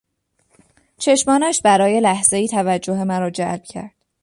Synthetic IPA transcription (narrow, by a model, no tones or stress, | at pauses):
t͡ʃʰe̞ʃmɒːnæʃbæɾɒːje̞læhz̥e̞iːt̪ʰævæd͡ʒːoɦe̞mæɾɒːd͡ʒæ̰lb̥̚cʰæ̰ɾd̪̥